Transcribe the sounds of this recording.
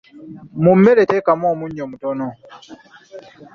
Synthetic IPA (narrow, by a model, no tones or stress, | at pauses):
mumːeletekamoːmuɲːomutono